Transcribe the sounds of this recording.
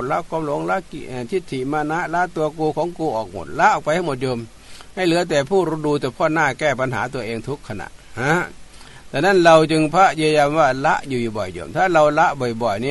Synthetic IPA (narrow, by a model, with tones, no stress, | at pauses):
la˦˥˩kɔː˧mlo˨˦ŋla˦˥ki˧˨ʔaː˨˩t̪ʰi˧˥˩t̪ʰːi˧˨maː˧na˦˥ʔlaː˦˥t̪u˧ɐkuː˧kʰɔː˨˦ŋkuː˧ʔɔː˨˩k̚mo̰˨˩t̪̚la˦˥ʔɔː˨˩pa˧jha˥˩jmo˨˩t̪̚jo˧m | ha˧˥˩jlɯ˨˦ɐt̪̬ɛː˨˩pʰuː˥˩ɾuː˧˥duː˧t̪ɛː˧˩pʰɔː˧˥˨naː˥˩kɛː˧˩pa˧nɦaː˩˦t̪u˧ɐʔeː˧ŋt̪ʰu˦˥kʰːa˧na̰˧˩˨ʔha˦˥ | t̪ʰɛː˨˩na˧˥˨nɾa˧wt͡ɕɯ˧ŋpʰa˦˥ʔjɯ˧əja˧mwaː˧˩la˦˥ʔjuː˧˩juː˨˩bɔ̰˨˩jjo̰˧˨mt̪ʰaː˥˩ɾa˧wla˦˥ʔbɔː˨˩jbɔ˨˩jni˧˥˨